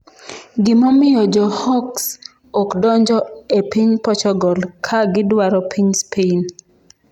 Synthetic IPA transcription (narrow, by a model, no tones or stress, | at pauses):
ɡɪmɔmɪjɔd͡ʒɔhɔks | ɔkdɔɲd͡ʒɔepiɲpɔt͡ʃɔɡɔlkʰaɡɪdwaɾɔpʰiɲspʰein